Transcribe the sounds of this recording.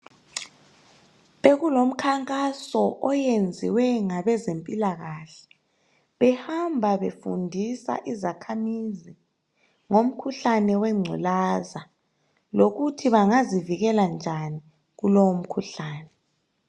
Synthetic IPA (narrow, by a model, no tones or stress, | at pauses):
βeɣulom̩kʰaŋkʼasɔʔɔjend͡zʱḭwɛŋaβɛzempʼilaɣaːɬɛ̥ | βɛhambʱaβefṵndʱisa̰ʔizakʰamizi | ŋom̩kʰuɬanɛwɛŋ͡ǀʱulaza | loɣutʰiβaŋaziviɣɛland͡ʒʱani | ɣulowom̩kʰuɬaːnɛ